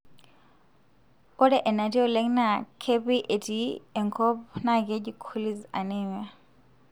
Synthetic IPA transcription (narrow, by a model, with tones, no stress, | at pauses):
ɔ˦dɛ˦ʔɛ˨na˨ti˦ɔ˦lɛ˦ŋna˨kʰe˦pi˦ʔe˨ti˦e˨ŋkʰɔ˦pna˦ke˦d͡ʒi˨kʰu˦li˦za̰˨nɛ˦˨ɲa˨